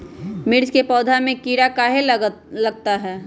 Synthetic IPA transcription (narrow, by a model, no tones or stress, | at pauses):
mɪɾd͡ʒkepɔːd̪ʱamẽkiːɾakaɦeləɡ̚t̪aɦɛː